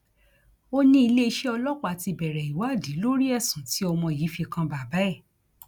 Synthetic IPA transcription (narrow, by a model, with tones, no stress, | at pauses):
o˦nĩ˦i˧le˦i˧ʃɛ˦ɔ˧lɔ˦kʷa˨ti˧bɛ˨ɾɛ˨i˨wa˨˦˨di˨˦lo˦ɾi˦ɛ˦˨sũ˨˦ti˨˦ɔ˧mɔ̃˧˨ji˨˦fi˧kã˧ba˨ba˨˦ɛ˦˨